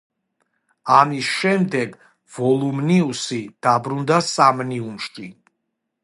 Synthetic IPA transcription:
amisʃɛmd̪ɛɡ | vɔlˠumniusid̪̥abɾund̪asamniunʃt͡ʃʼi

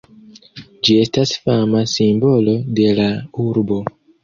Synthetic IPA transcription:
d͡ʒie̞stasfamasimbo̞lo̞de̞lauɾbo̞

